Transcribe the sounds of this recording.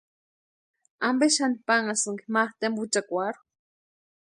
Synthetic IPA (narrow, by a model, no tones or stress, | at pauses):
ambeʃanipaŋasɨŋɡimaχt̪embut͡ʃakʷaɾu